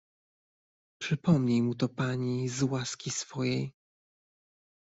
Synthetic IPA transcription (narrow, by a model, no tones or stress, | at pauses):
pʂɘpɔmɲejmut̪ɔpaɲizwaskʲisfɔjej